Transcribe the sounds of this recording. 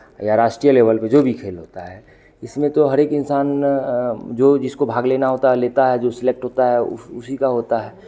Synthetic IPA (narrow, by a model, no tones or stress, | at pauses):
jaɾaːʃʈɾijəleːʋəlped͡ʒobʱikʰeːlɦoːt̪aɦɛ | ɪsmẽt̪oɦɐɾeːkɪnsaːn | d͡ʒoːd͡ʒɪskobʱaːɡleːnaɦoːt̪aleːt̪aɦɛd͡ʒosɪlek̚ʈɦoːt̪aɦɛʊ̰ʊsikaɦoːt̪aɦɛː